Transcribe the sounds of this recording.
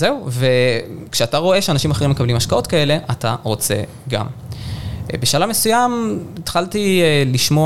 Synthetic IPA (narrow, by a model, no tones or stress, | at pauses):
ze̞uve̞kʃeataʁo̞e̞ʃeanaʃimaχe̞imːekablimaʃkao̞tkae̞le̞ʔata̰ʁo̞t͡se̞̰ | ɡa̰m | beʃalamesujamet̪χaltieliʃmo